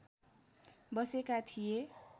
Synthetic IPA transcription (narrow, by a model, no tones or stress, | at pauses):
bʌsekat̪ʰije